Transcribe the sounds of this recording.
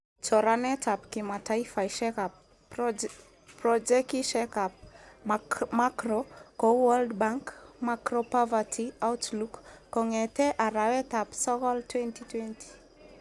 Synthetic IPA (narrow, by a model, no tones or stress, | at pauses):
t͡ʃɔɾanɛtʰapkimataifajʃɛkap̚ | pɾɔd͡ʒɛkiʃɛkap̚ | makɾɔkɔwaldbaŋkmakɾɔpɔvatʰiawtlukːɔŋɛtɛʔaɾawɛtapsɔkɔltwɛntitwɛnti̥